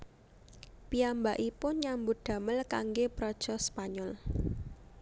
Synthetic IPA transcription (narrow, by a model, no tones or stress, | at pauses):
piambaʔipʊnɲambʊd̪̥ä̤məlkaŋɡepɾɔd̥ʒ̥ɔspaɲɔl